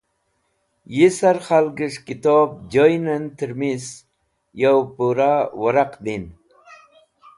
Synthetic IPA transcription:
jisaɾχalɡiʂkit̪oːb̚d͡ʑojnənt̪əɾmis | jawpuɾawaɾaqd̪in

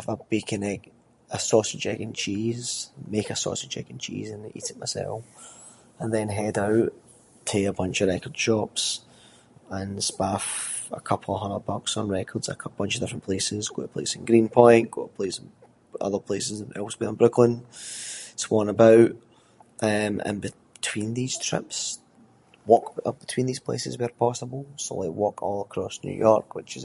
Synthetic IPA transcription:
əvəbekʰɪ̃nɛɡ | əsɔsəd͡ʒɛɡɪ̃nt͡ʃʰiz̥mekəsɔ̰səd͡ʒɛ̰ɡɪ̃nt͡ʃʰḭzɪ̃nʔḭʔɪʔmasɛ̰lˠ | ə̃nðɛ̃nɦɛdaʊʔ | tʰeəbʌ̃nt͡ʃəvɹɛkə˞d̥ʃɔps | ə̃nspafə̰kʰʌpʰl̩ˠəɦʌ̃nəbʌksn̩ɹɛkʰə˞dz̥ə̰kb̥ʌ̃nt͡ʃəvdɪfɹə̃npʰl̥esɪzɡoʔəpʰl̥ḛsɪ̃n̩ɡɹĩnpʰɔ̃ɪ̃nɡ̥o̰ʔəpʰl̥esɪ̃n̩ | ʌ̰ðə˞pʰl̥esɪzə̃nɛ̰lˠswiə̃nbɹʊkʰlˠɪ̃n | swɔ̃nəbaʊʔ | ʔʌ̃mə̰̃nbɪ | tʰw̥ĩnðiz̥tʰɹ̥ɪ̰ps | wɔkʌb̥ɪtʰw̥ĩnðiz̥pʰl̥ḛsɪ̰zwɪə˞pʰɔsəbəl̩ˠso̰lˠɪwɔkʰɔ̰lˠəkʰɹ̥ɔsnjʉ̰jʔɔɹkwɪt͡ʃɪz

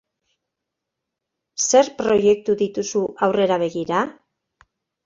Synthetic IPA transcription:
se̞ɾpɾo̞je̞k̚t̪uðit̪usuʔawre̞ɾaβ̞e̞ɣiɾa

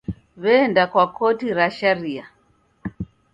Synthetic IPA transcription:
βɛndakwakɔtiɾaʃaɾia

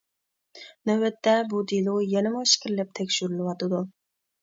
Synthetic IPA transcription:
nɛwɛt̪ːɛbud̪ilˠujɛnɨmʊʃkʲʰiɾɪlɛp̚t̪ʰɛkʲʃyɾylɪwɑt̪ɨd̪u

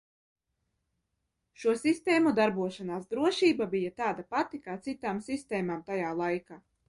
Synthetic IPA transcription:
ʃuɔsist̪ɛːmud̪aɾbuɔʃanaːsd̪ɾuɔʃiːbabijat̪aːd̪apat̪ikaːt̪sit̪aːmsist̪ɛːmaːmt̪ajaːlˠajkaː

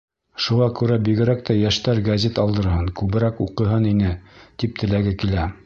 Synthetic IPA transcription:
ʃuʁɑkʉɾæbiɡɘ̆ɾæk̚t̪ʰæjæʃt̪æɾɡɐzʲet̪ɑlˠd̪ɤ̆ɾɦɤnkʉβɘ̆ɾækuqɤ̆ɦɤninɘt̪ip̚t̪ʰɘ̆læɡɘkilæ

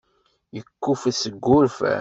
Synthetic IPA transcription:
jəkːufæsəɡːʊɾfæ̰

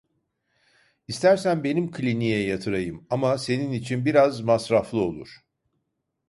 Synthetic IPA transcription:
ist̪ʰæɾsænbe̞nimkʰlʲinijɛjat̪ʰɯɾajɯmamase̞ninit͡ʃʰinbiɾazmasɾaflˠɯo̞̰lˠṵɾ̥

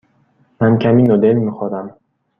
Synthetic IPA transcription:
mankʰaminɔd̪elmixɔd̪am

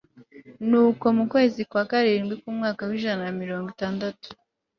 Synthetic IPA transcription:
nuːko̞mukwe̞ːzikwaːkaɾiːnɡwikumŋaːkawiːʒanamiɾo̞ːŋɡitaːndatu̥

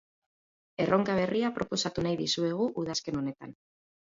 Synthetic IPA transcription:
e̞rʔo̞ŋkaβ̞e̞riapɾo̞po̞sat̪unajðisue̞ɣ̞uʔuð̞aske̞no̞ne̞t̪a̰n

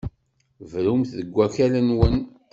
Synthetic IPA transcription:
vɾumθðəɡʷːæçælænwən

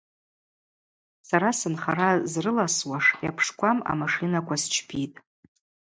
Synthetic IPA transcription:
saɾasɨnχaɾazrɨlaswaʂjapʰʂkʷʰama̰maʂɨnakʷʰast͡ʃʰpʰitʼ

